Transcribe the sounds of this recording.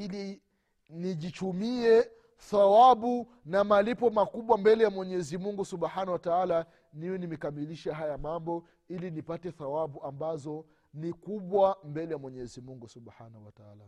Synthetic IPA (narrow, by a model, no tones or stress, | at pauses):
ili | niʄit͡ʃumiɛ | θawaɓu | namalipɔmakuɓwambɛlɛjamwɛɲɛzimuŋɡusuɓħanawataala | niwɛnimɛkamiliʃɛɦajamambɔ | ilinipatɛθawaɓuambazɔ | nikuɓwambɛlɛjamwɛɲɛzimuŋɡusuɓħanahuwataala